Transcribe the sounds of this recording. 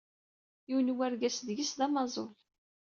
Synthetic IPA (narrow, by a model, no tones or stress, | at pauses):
iwnwæɾɡæsðʝisðæmɑzˤo̰l